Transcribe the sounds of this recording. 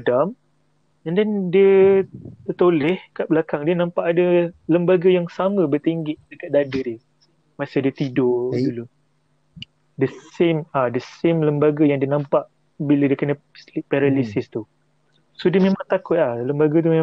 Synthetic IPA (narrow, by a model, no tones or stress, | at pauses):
dam | əndɛndiə | t̪ət̪olɛhkaʔbəlakaŋdiənãmpaʔadələmbaɡəjaŋsamə̃bərt̪iŋɡɪʔdakat̪̚dadədiə | masadiət̪idoʔd̪ulu | dəsemadəsemləmbaɡəjaŋdiənampaʔ | bilədiəkənə | slipaɾalisɪst̪u | sodiəmemaŋt̪akʊt̪̚lahləmbaɡət̪ume